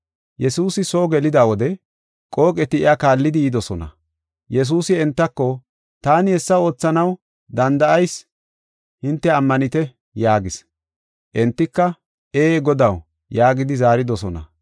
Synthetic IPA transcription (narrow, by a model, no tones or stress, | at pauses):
jɛsuːsɪsoːɡɛlɪd̪aːwɔd̪ɛ | kʼo̞ːkʼɛt̪ɪɪakaːlːɪd̪ɪiːd̪ɔsɔnɐ̰ | jɛs̬uːsɪɛnt̪ːɐkːɔ | t̪aːnɪhɛsːɐo̞ːt͡sːɐnɐw | d̪ɐnd̪ɐʔɐjs | hɪnt̪ːɛɐmːɐnɪt̪ɛ | jaːɡɪs | ʔɛnt̪ːɪkːɐ | ʔeːɡɔd̪ɐw | jaːɡɪd̪ɪzaːɾɪd̪ɔsɔnɐ̰